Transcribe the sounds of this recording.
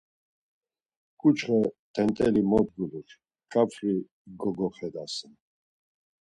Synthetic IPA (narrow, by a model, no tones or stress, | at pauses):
kʼut͡ʃʰχət̪ʰɛnt̪ʼɛlimɔd̪̚ɡuliχ | kʼapʰri | ɡɔɡɔχɛd̪asən